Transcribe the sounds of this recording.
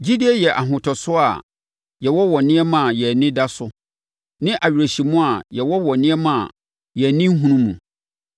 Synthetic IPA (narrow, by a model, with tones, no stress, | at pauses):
d͡ʑi˦di˦ɛ˦jɛ˨ʔa˨ɦʊ̃˨tʰɔ˨sʊ˦a̰˨ | jɛ˨wɔ˦wɔ˨nɪ̃˦ɛ˦mã˨jɛ˨nɪ̃˦da˦sʊ˦ | nɪ̃˦ʔa˨ɥᶣɾe˨ɕi˨mũ˦a˨jɛ˨wɔ˦wɔ˨nɪ̃˦ɛ˦mã̰˨ | jɛ˨nɪ̃˦ŋ̩˦ɦũ˦nũ˦mũ˨